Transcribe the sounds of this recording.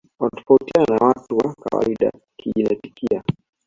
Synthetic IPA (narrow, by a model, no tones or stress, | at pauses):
watɔ̥fautiannawatuwaka̰wa̰iɗa̰ | kiʄinati̥kia